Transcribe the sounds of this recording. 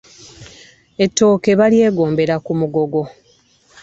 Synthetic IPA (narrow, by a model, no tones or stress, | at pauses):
e̞tːo̞ːke̞βalje̞ːɡo̞ːmbe̞ɾakumuɡo̞ɡo̞